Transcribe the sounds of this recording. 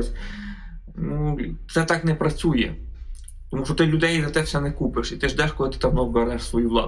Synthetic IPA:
sʲ | nut̪sɛt̪ɑknɛpɾɐt͡sʲujɛ̰ | t̪ɔmuʃɔt̪ɪlʲʊd̪ɛjizɐt̪ɛfsɛnɛkupɪʃit̪ɪʒd̪ɛʃkɔlˠɪt̪ɪ̥t̪ɑmnɔwbɛɾɛʃsʋɔjuʋlˠɑ̰

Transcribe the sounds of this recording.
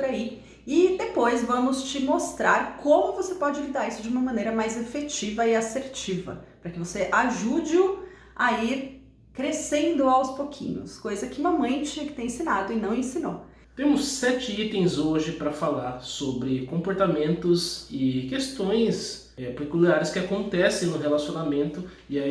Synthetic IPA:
pʊɾai | ɪd̪epojzvɐ̃mʊst͡ʃɪmost̪ɾaɾkõmʊvosepɔd͡ʒɪlid̪aɾisʊd͡ʒɪũmɐmɐ̃nejɾɐmajzefet͡ʃivɐɪaseɾt͡ʃivɐ̰pɾɐkɪvoseʔaʒud͡ʒɪʊ | aiɾ | kɾesẽnd̪ʊawspokʰḭ̃ɲʊ̰skojzɐkɪm̃ɐmɐ̃j̃t͡ʃĩɲɐkɪt̪ẽj̃ẽsinad̪ʊɪnɐ̃w̃ẽsĩno̰ | t̪ẽmʊsːɛt͡ʃɪit̪ẽj̃zoʒɪpɾɐfalaɾsobɾɪkõmpoɾt̪amẽnt̪ʊzɪkest̪õj̃s | ɛpekuliaɾɪskɪakõnt̪ɛsẽj̃nʊɦelasiõnamẽnt̪ʊ | ɪa

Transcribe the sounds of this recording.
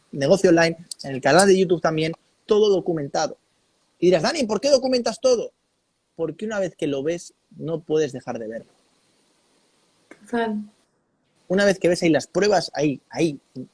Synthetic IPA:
ne̞ɣo̞θjonlajnene̞lkanald̪e̞ʝut̪uβt̪ambje̞n | t̪o̞ðo̞ðo̞kumẽ̞nt̪aðo̞ | iðiɾazðanimp̬o̞ɾke̞ð̞o̞kument̪ast̪o̞ðo̞ | po̞ɾkeunaβe̞θke̞lo̞βe̞s | no̞pwe̞ðe̞zðe̞xaɾðe̞β̞e̞ɾlo | t̪o̥t̪al | unaβe̞θke̞βe̞sailaspɾwe̞β̞asa̰iai

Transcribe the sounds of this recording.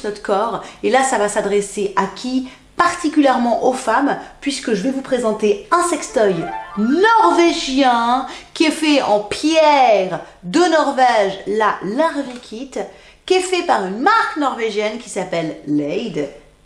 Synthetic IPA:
nɔt̪kɔʁelasavasad̪ʁeseʔakʲʰi | paʁt̪ikʲyljɛʁmɑ̃ʔofampɥiskəʒəvɛvupχezɑ̃t̪eɛ̃sɛkst̪ɔjnɔʁveʒjɛ̃kʲiɛfɛɑ̃pjɛʁ | d̪ənɔʁvɛʒlalaʁvikʲʰit̪ | kʲɛfɛpaʁynmaʁknɔʁveʒjɛnkʲi̥sapɛlːɛjd̪

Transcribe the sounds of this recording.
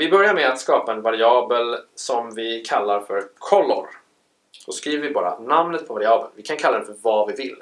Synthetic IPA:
vɪbœɾjaɾmɛat̪skɑːpaɛnvaɾɪɑːbəlsɔmvɪkʰalːaɾfœɾkʰɔlːɔ̰ɾ | d̪ɔskɾiːvəɾvɪbɑːɾa̰namnət̪̚pʰɔvaɾɪɑːbə̰nvɪkʰankʰalad̪ɛnfœɾvavɪvɪlː

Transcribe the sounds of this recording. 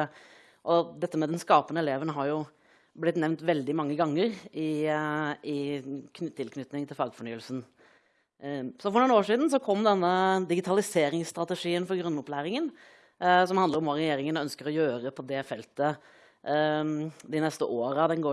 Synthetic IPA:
ʔɔd̪ɛt̪ːəmɛd̪ɛnskɑːpənəɛleːʋənɦɑɾjʊ | blɪt̪nɛʋnt̪ʋɛld̪ɪmɑŋːəɡɑŋːəɾɪ | ɪk̪ʰt̪ʰːɪlkʰnʏt̪nɪŋt̪ʰɪlfɑːɡfɔɳyːəlsn̩ | sɔfɔɾɳuːnoːʂiːd̪n̩s̬ɔkʰɔmːd̪ɛnːəd̪ɪɡɪt̪ʰɑlɪseːɾɪŋsst̪ɾɑt̪əʂiːənfɔɾɡɾʉnːʊplæːɾɪŋən | sɔmhɑnəɾɔmʋɑɾɛjeːɾɪŋənœnskəɾɔjøːɾəpʰɔd̪ɛfɛlt̪ə | d̪ɪnɛst̪əʔoːɾəd̪ɛnɡoː

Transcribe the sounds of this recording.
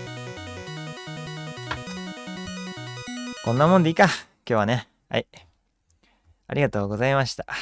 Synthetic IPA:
kõ̞nːamõ̞nd̪eiːka | kʲo̞ːβane | a̰i | a̰ɾʲiɡat̪o̞ːɡo̞zaimaɕi̥t̪ḁ

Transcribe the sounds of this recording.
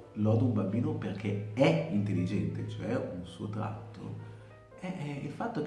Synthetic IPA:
lɔːd̪oumbambiːnoperkʰeɛint̪elːid͡ʒɛnt̪et͡ʃoɛunsuːot̪ɾa̰t̪ʰːo̰ | ɛilfat̪ːok

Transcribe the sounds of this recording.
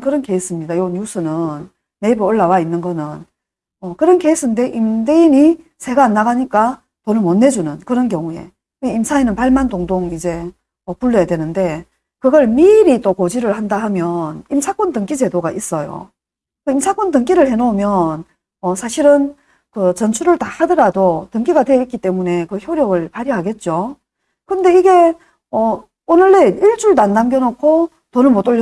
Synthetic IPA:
kɯɾʌnke̞is͈ɯmɲidajoɲjus͈ʰɯnɯnː | e̞ibɯɯɭːawainːɯnɡʌnɯn | ʌkɯɾʌnke̞is͈ɯnde̞ʔimdeini | sʰe̞ɡaːnːaɡaɲik͈a | tonɯɭmʌnːed͡ʑunɯnkɯɾʌnk̬jʌŋue̞̰ | weimsʰainɯnpaɭmandoŋdoŋid͡ʑe̞ | ʌpuɭːojadwenɯnde̞ | kɯɡʌɭmiɾit͈okod͡ʑiɾɯɭhandaɦamjʌnimsʰak͈ʌntɯŋk͈id͡ʑe̞doɡaʔis͈ʌjo̰ | kɯimsʰak͈ʌntɯŋk͈iɾɯɭhe̞nomjʌn | ʌsʰaɕʰiɾɯn | kɯt͡ɕʌnt͡ɕʰuɾɯɭtahadʌɾadotɯŋk͈iɡadweik͈it͈e̞mune̞kɯçjoɾjʌɡɯɭpaɾjʌɦaɡe̞t̚t͡ɕ͈o | kɯnde̞iɡe̞ | ʌ | onɯɭːe̞iɭt͡ɕ͈uɭnanːamɡjʌnokʰo | tonɯnmot͈oɭː

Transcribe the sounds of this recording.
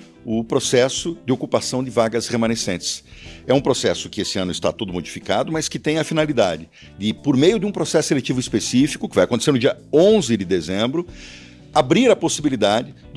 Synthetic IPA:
ʊpɾosɛsʊd͡ʒ̪ɪokupasɐ̃w̃d̪ɪvaɡɐsʁemɐ̃nesẽnt͡ʃ̪ɪ̥sɛũpɾosɛsʊ̥kɪesɪɐ̃nʊɪst̪a̰t̪od̪ʊmod͡ʒifikad̪ʊmɐskɪt̪ẽj̃ɐfinalid̪ad͡ʒɪ | d̪ɪpoɾmejʊd̪ɪũpɾosɛsʊelet͡ʃivʊispesifi̥kʊkɪvajaɐkõt̪eseɾnʊd͡ʒiɐ | õzɪd̪ɪd̪ezẽmbɾʊ | abɾiɾɐposibilid̪ad͡ʒɪ | d̪

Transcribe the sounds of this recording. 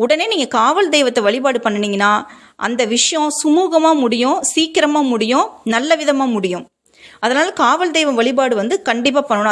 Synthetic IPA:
ʊɽɐneːniːŋɡɐkaːʋɐld̪ɛːjʋɐt̪ːɐʋɐɭɪpaːɽɯpɐɳːɐniːŋɡɐnːaː | ʔɐ̰nd̪ɐʋɪʂɐjɔ̃sʊmuːɣɐmaːmʊɽɪjʊ̃siːkɪɾɐmaːmʊɽɪjʊ̃nɐlːɐʋɪðɐmaːmʊɽɪjʊ̃ | ɐðɐnaːlɐkaːʋɐld̪ɛjʋɐmʋɐɭɪpaːɽɯʋɐnd̪ɯkɐɳɖɪp̬ːaːpɐɳːɐn

